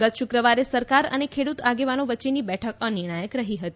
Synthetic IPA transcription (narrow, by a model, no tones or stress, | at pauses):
ɡət̪ʃʊkɾəʋaɾesəɾkaɾə̰nekʰeɽut̪aɡeʋanoʋətːt͡ʃenibɛʈʰəkəniɾɳ̃ajəkɾəɦiɦət̪i